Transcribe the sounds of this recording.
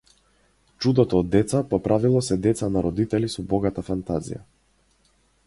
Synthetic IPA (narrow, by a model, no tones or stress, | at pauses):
t͡ʃud̪ɔt̪ɔːd̪ːɛt̪sapɔpɾavilˠɔsɛd̪ɛt̪sanaɾɔd̪it̪ɛlisɔbɔɡat̪afant̪azḭja̰